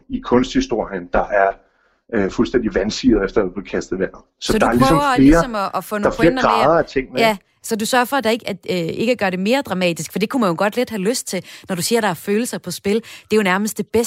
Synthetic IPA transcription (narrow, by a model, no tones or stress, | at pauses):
ikʰɔ̽nsd̥hisd̥o̝ɐ̰jənd̥ɑ̈ʔæɐ | fulsd̥en̰d̥iʋænsið̩ˠefd̥ɐð̩ˠpʰɒkʰæsd̥̩ˠʋæɐnð̩ˠsɒ̽sɒd̥ɑæɐlssɒmʊfɐle̝iːɐɒ̽mɒʔːfɔ̽nafʰleɐd̥ɐ̥ʁɑððˠɐæt͡sʰe̝ŋ̰meæ | sɒ̽dusɶɐfɒ̽æd̥ɑ̈e̝ɡ̥æe̝ɡ̥əæɡ̥ɶɐɾ̥e̝me̝ːɐd̥ʁɑ̈mɛ̰ːd̥isɡ̥fɒ̽d̥e̝kʰumænjo̝ɡ̥ɒ̽d̥le̝d̥hæløsd̥̚t͡sʰe̝nɒɾ̥usiɐɾ̥ɑ̈æɐføːl̩sɐpʰɒ̽sb̥e̝ld̥e̝jo̝næɐməsd̥e̝b̥es